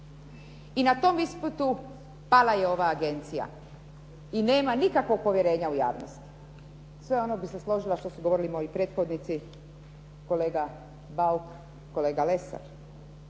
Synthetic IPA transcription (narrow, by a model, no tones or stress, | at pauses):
inat̪o̞misput̪u | palaje̞o̞ʋaːɡe̞nt̪sija̰ | ine̞ːmanikakʋo̞ɡ̚po̞ʋjeɾe̞ːɲauja̰ːʋno̰st̪i̥ | sʋe̞o̞nobise̞slˠo̞ʒilaʃt̪o̞suɡo̞ʋoɾilimo̞jopɾe̞ːt̪xo̞d̪nit̪si | ko̞le̞ːɡa | bauk | kːo̞leːɡale̞sa̰ɾ